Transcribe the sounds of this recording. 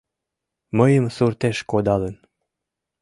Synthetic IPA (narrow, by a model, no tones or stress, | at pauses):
məjəmsurt̪eʃkod̪ɑlən